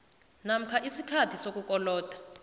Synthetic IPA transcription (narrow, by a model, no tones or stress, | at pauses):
nam̩kʰaʔisikʰatʰisok̬ʼukɔlɔːtʼḁ